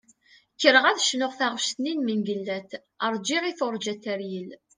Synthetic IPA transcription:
kːəɾəʁæðʃnʊʁθaʁʃt̪ninmənɡəlːæt̪ | əɾˤd͡ʒiʁiθʊɾˤd͡ʒæt̪ːæɾjəl

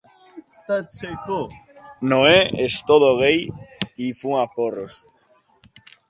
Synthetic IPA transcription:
st̪at͡ʃekonoeest̪oðoɣejifuŋaporos

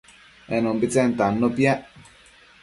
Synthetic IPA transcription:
ɛnombit͡sɛnt̪anːopjɛ

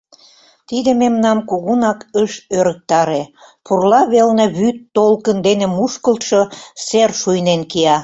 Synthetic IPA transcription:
t̪id̪ĕmemnɑmkuɣunɑkəʃøɾə̆k̚t̪ɑɾepurlɑβelnĕβyt̪ːolkənd̪enĕmuʃkəlt̪ʃoserʃujnenkijɑ

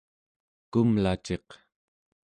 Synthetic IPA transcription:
kumlat͡ʃe̞q

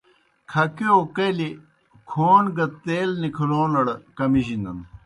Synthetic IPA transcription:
kʰɐkiokɐjli | kʰoːnɡɐt̪eːlnikʰɐloːnɐɽɐkɐmiʑind̪ɐn

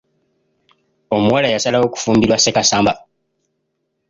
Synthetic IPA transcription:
o̞muwalajasalawo̞ku̥fuːmbiɾwasekasaːmba

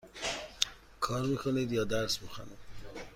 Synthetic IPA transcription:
kʰɒːɾmiːkʰoniːd̪jɒːd̪æɾsmixa̰nid̪

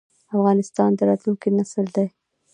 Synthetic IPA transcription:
afɣɑnɪst̪ɑnd̪əɾɑt̪lunkinasəld̪aj

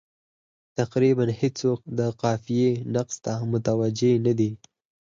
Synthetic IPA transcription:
t̪aqɾibanhesok̚d̪əqɑfijenaqst̪amʊt̪awad͡ʒenad̪i

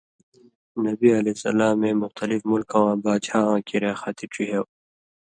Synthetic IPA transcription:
nɐbiɐlesɐ̰laːmẽmʊxt̪ɐlifmulkʰãwãːbaːt͡ɕʰaːãːkiɾeːxat̪iʈ͡ʂʰiɦew

